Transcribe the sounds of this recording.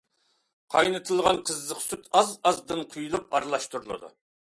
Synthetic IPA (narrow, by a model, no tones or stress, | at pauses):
qʰɑ̰jnɨt̪ʰɨlˠʁɑnqʰəzːəqsyt̪ɑzɑzd̪ɨnqʰujulˠup̚ɑɾlˠɑʃt̪uɾulˠɨ̰d̪ṵ